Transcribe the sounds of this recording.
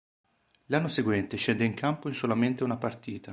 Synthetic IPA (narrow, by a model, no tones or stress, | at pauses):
lanːoseɡwɛnt̪eʃɛnd̪eiŋkʰampoinsolament̪eunapart̪iːt̪a